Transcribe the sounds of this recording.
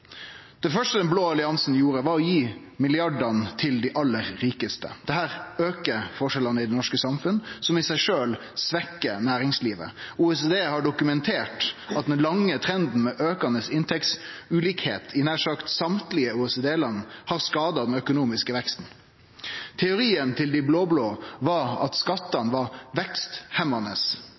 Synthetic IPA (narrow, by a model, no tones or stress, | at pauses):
d̪̥ɛfœʂʈəd̪ɛnbloːɑlɪɑnsn̩juːɾəʋɑːɾɔjiː | mɪlɪɑɖɑnt̪ʰɪld̪iʔɑlːəɾːiːkəst̪ə̰d̪̥ɛhæːɾøːkəfɔʂɛlɑnəɪd̪ɛnɔʂkəsɑmfʉnsɔmɪsæɪʂøːl | sʋɛkːənæːɾɪŋsliːʋə̰uːɛseːd̪eːhɑɖʊkʉmɛnt̪ʰeːʈɑt̪̚d̪ɛnlɑŋːət̪ʰɾɛnd̪n̩mɛʔøːkɑnəsɪnt̪ʰɛk̪sʉːliːkhḛːt̪ʰɪnæːʂɑːkt̪sɑmt̪lɪəuːɛseːd̪eːlɑnːhɑʁskɑːd̪ɑd̪ɛnœkʊnuːmɪskəʋɛkst̪n̩ | t̪ʰɛʊɾiːənt̪ʰɪld̪ɪbloːbloːʋɑɑ̰t̪skɑt̪ːɑnʋɑɾʋɛkst̪hɛmɑnəs